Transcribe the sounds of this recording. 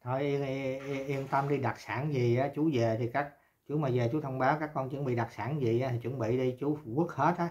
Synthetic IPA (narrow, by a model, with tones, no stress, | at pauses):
t̪ʰo˧˩jʔi˧ə˧i˧ʔi˧ənt̪ə˧mɗi˧ɗa˨˩t̚saː˧˩nzi˨˩ʔaː˨˦t͡ɕu˨˦ze˨˩t̪ʰi˨˩kaː˦˥k̚ | t͡ɕu˨˦maː˨˩zeː˨˩t͡ɕu˨˦t̪ʰə˧wŋ͡mɓaː˨˦wkaː˦˥k̚ːɔ˧nt͡ɕɨ̰˨˧˥nɓḭ˧˨ɗa˨˩t̚saː˧˩nzi˨˩ʔaː˨˦t̪ʰi˨˩t͡ɕwə̰˧˥˦nɓḭ˧˨ɗi˧t͡ɕu˨˦ku˦˥ək̚he˦˥t̚ʔaː˨˦